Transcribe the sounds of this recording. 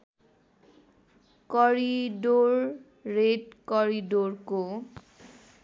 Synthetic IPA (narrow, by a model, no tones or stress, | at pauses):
kɔɹidoɹː | etkɔɹidoɹko